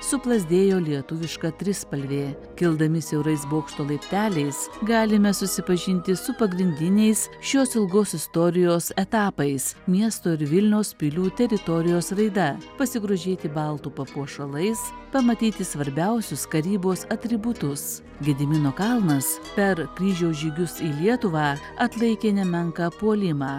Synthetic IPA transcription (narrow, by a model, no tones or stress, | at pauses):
sʊplˠɐzʲd̪ʲeːjoːlʲiɛt̪ʊʋʲɪʃkɐt̪ʲɾʲɪspɐlʲʋʲeː | kʲɪlˠd̪ɐmʲɪsʲɛʊɾɐɪsboːkʃt̪oːlˠɐɪpʲt̪ʲæːlʲɛɪsɡɑːlʲɪmʲɛsʊsʲɪpɐʒʲɪnʲt̪ʲɪsʊpɐɡɾʲɪnʲd̪ʲɪnʲɛɪsʃʲoːsɪlˠɡoːsɪst̪oːɾʲɪjoːsɛt̪ɑːpɐɪsmʲiɛst̪oːɪɾʋʲɪlʲnʲɛʊspʲilʲuːt̪ʲɛɾʲɪt̪oːɾʲɪjoːsɾɐɪd̪ɐpɐsʲɪɡɾoːʒʲeːt̪ʲɪbɐlˠt̪uːpɐpuɔʃɐlˠɐɪs | pɐmɐt̪ʲiːt̪ʲɪsʋɐɾʲbʲɛʊsʲʊskɐɾʲiːboːsɐt̪ʲɾʲɪbʊt̪ʊs | ɡʲɛd̪ʲɪmʲɪnoːkɐlˠnɐspʲɛɾkɾʲiːʒʲɛʊʒʲiːɡʲʊsiːlʲiɛt̪ʊʋɑː | ɐt̪lˠɐɪkʲeːnʲɛmʲɛŋkɑpuɔlʲɪmɑː